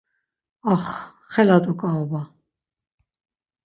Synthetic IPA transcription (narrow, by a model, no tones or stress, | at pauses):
aχ | χɛlat̪ʼukʼaɔba